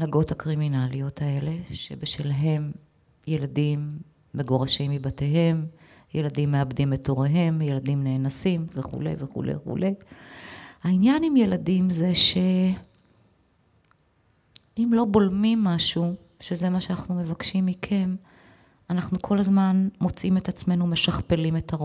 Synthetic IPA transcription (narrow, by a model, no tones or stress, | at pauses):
naɡo̞thakʁiminalio̞tʰae̞le̞ʃe̞̰beʃvilaɦe̞m | je̞ladimː | e̞ɡoʁaʃimːibateɦe̞m | je̞ladimːe̞abdimeto̞ʁeɦe̞mje̞ladimne̞ːnasimveχṵle̞̰jveχṵlʔḛjχṵlʔe̞j | hainjanimje̞ladimze̞ʃe̞ | imlo̞bo̞lmimːaʃu | ʃe̞ze̞maʃeanaχnume̞vakʃimːikʰe̞n | anaχnukʰo̞lazmanmo̞t͡sime̞tat͡sme̞nume̞ʃaχpe̞lime̞ta